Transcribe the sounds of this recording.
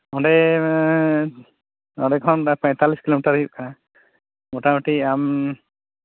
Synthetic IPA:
ɔɳɖɛ | ɔ̰ɖɛkʰɔnpɔ̃ɲt̪aliskilomiʈaɾɦjuʔ̚kana | mɔʈamaʈiam

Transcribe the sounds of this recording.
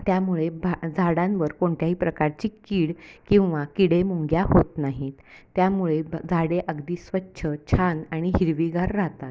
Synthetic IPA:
t̪jamuɭebad͡zʱaɽãnʋəɾkoɳt̪jaɦiːpɾəkaɾt͡ɕiːkiːɽkĩw̃ʋakiɽemuŋɡjahot̪naɦit̪t̪ːjamuɭed͡zʱaɽeʔəɡd̪iːsʋətːɕʰət͡ɕʰanaɽ̃iɦiɾʋiɡʱaɾːaɦt̪at̪̚

